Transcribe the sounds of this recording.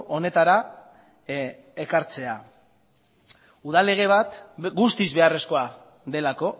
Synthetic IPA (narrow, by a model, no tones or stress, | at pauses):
ʔo̞ne̞t̪aɾa | e̞kaɾt͡se̞a | uð̞ale̞ɣ̞e̞β̞at̪ɡust̪izβe̞are̞sko̞a | ðe̞lako̞